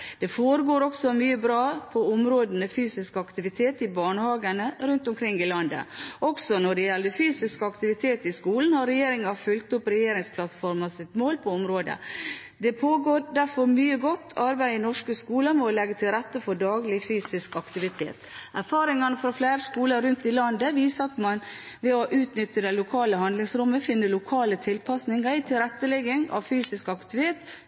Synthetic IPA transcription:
d̪̥ɛfoːɾəɡoːɾɔksɔmyːəbɾɑːpʰɔʊmɾoːd̪ənəfyːsɪskɑkt̪ɪʋɪt̪ʰeːt̪ɪbɑːɳəhɑːɡənəɾʉnt̪ɔmkʰɾɪŋːɪlɑnd̪ə̰ʔɔksɔnɔɖɛjɛlːd̪əfyːsɪskəɑkt̪ɪʋɪt̪ʰeːt̪ɪskuːln̩hɑɾɛjeːɾɪŋɑfʉlt̪ʊpɾɛjeːɾɪŋspʰlɑt̪fɔɾmɑsɪt̪moːlpʰɔɔmɾoːd̪ə̰ | d̪ɛpʰoːɡoːɾd̪æɾfɔɾmyːəɡɔt̪ːɑɾbæɪənɔʂkəskuːləmɔlɛɡət̪ʰɪlɾɛt̪ːəfɔɖɑːɡlɪfyːsɪskɑkt̪ɪʋɪt̪ʰḛːt̪æɾfɑːɾɪŋɑnəfɾɑflæɪɾskuːləɾʉnt̪ɪlɑnd̪əʋiːsəɑt̪mɑn | ʋɛɔʔʉːt̪nʏt̪ːəd̪ɛɪlʊkʰɑːləhɑnd̪lɪŋsɾɔmːəfɪnːəlʊkʰɑːlət̪ʰɪlpʰɑsnɪŋəɪt̪ʰɪlɾɛt̪ːəlɛɡɪŋɑ̰ʋfyːsɪskɑkt̪ɪt̪ʰeːt̪

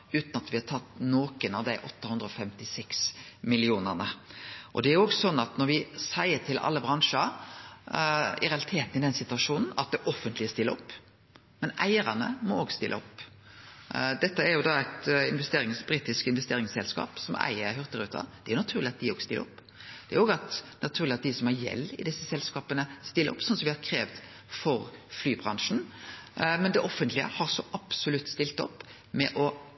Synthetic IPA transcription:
ʉːt̪nɑt̪ʋɪhɑt̪ʰɑt̪ːnoːkənɑʋd̪æɪʔɔt̪ːəhʉnd̪ɾəɔfɛmt̪ɪsɛksmɪlɪuːnəʁnəʔɔd̪ɛæɾjoːɡsɔnːɑt̪nɔɾʋɪsæɪət̪ʰɪlʔɑ̰lːəbʁɑŋʂə | ɪ̰ɾɛɑlɪt̪ʰeːt̪n̩ɪd̪ɛnsɪt̪ʉɑʂuːnn̩ɑ̰t̪̚d̪ɛʔɔfːənt̪lɪst̪ɪlːəɔpː | mɛnʔæ̰ɪəɾɑnə̰mɔoːɡst̪ɪlʔɔ̰pː | d̪ɛt̪ːəæɾjʊd̪ɑæɪt̪ɪnʋɛst̪eːɾɪŋsbɾiːt̪ɪskɪnʋɛst̪eːɾɪŋsɛlskɑ̰ːpsɔmæ̰ɪəɾɦœʁt̪əɾʉ̰ːt̪ʰɑ̰d̪̥ɛæɾjʊnɑt̪ʰʉːʁlɪɑt̪̚d̪ɪoːɡst̪ɪlə̰ɔpː | d̪̥ɛæɾjoːɡəɑt̪nɑt̪ʰʉːʁlɪɑt̪̚d̪ɪsɔmhɑɾjɛ̰lːɪ̰d̪ɪsːəsɛlskɑːpənəst̪ɪlːəɔpːsɔnsɔmʋɪhɑɾkʰɾeːʋt̪ | fɔɾflyːbʁɑŋʂn̩ | mɛnd̪ɛʔɔfːənt̪lɪə̰hɑʁsɔʔɑpsʊlʉt̪ːst̪ɪlt̪ɔ̰pː | mɛʔɔ

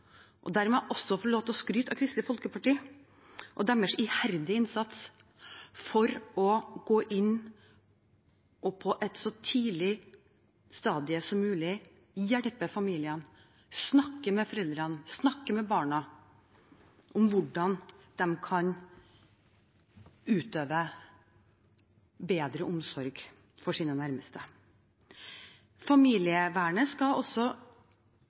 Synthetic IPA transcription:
ʔɔ̰d̪æːɾmɛʔɔsːɔfɔɭoːt̪ɔskɾyːt̪ɑkʰɾɪst̪ɪfɔlkəpʰɑʈiː | ʔɔd̪ɛmːəʂɪhæɾd̪ɪɪnsɑt̪s | fɔɾɔɡoːʔɪnː | ʔɔpʰɔʔɛt̪sɔt̪ʰiːlɪ | st̪ɑːd̪ɪəsɔmːʉːlɪ | jæɽpəfɑmiːlɪən | snɑkːəmɛfɔɾɛld̪ɾɑnsnɑkːəmɛbɑːɳɑ | ʔʊmʋʊɖɑnd̪̥ɛmkʰɑn | ʉːt̪øːʋə | beːd̪ɾəʔʊmsɔɾɡ | fɔʂiːnənæɾməst̪ə | fɑmiːlɪəʋæːɳəskɑɔsɔ

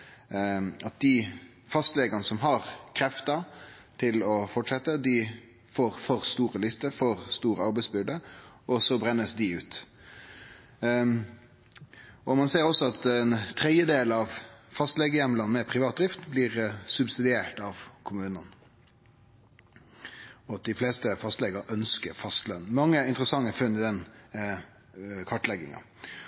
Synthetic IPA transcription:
ɑt̪̚d̪ɪ | fɑst̪lɛɡɑnəsɔmɦɑʁkʰɾɛft̪ə | t̪ʰɪlɔfɔʈʂɛt̪ːəd̪ɪ | foːɾfɔʁst̪uːɾəlɪst̪əfɔʁst̪uːɾəɑɾbæɪsbʏɖ̪ə | ɔsɔbɾɛnːəsd̪ɪʉːt̪ | ɔmɑnseːɾɔsːɔɑt̪ɛnt̪ʰɾɛd̪jəd̪eːl̩ɑʋfɑst̪lɛɡəjɛmːəlɑnmɛpʰɾɪʋɑːt̪̚d̪ɾɪft̪blɪɾsʉbsɪd̪ɪeːʈɑʋkʰʊmʉːnən | ɔɑt̪̚d̪ɪflɛːst̪əfɑst̪lɛɡəɾʔœnskəɾfɑst̪lœnmɑŋːəɪnt̪əɾəsɑŋːəfʉnːɪd̪ɛn | kʰɑʈlɛɡːɪ̰ŋɑ̰

